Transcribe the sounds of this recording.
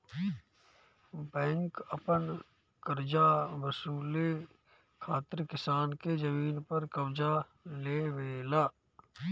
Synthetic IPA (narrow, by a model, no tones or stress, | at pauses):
bɛ̃ːŋkəpən | kəɾd͡ʒaʋəsuːle | kʰaːt̪ɪɾkɪsaːnked͡ʒəmiːnpɐɾkɐbd͡ʒaleːʋeːlaː